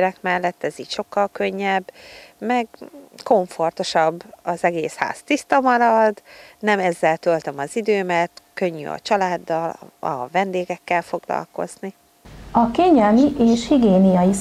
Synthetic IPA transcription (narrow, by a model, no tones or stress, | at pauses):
ɾɛkmɛlːɛt̪ːɛziːcʃo̞kːɒlkø̞ɲːɛbːmɛɡko̞ɱfo̞rt̪oʃɒbːɒzɛɡeːsha̰ːst̪ist̪ɒmɒɾɒd̪nɛmɛzːɛlt̪ølt̪ømɒzid̪øːmɛt̪kø̞ɲːy̰ɒ̰t͡ʃɒlaːd̪ːɒlɒ̰vɛnd̪eːɡɛkːɛlfo̞ɡlɒ̰lko̞̰zni | ɒkeːɲɛlmiʔeːʃhiɡeːnijɒjis